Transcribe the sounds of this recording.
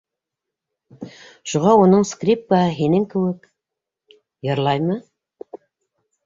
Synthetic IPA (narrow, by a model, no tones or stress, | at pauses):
ʃuʁɑunɤɴskrʲip̚kaɦɦinɘŋkɘ̆wɘk | jɤ̆ɾlˠɑjmɤ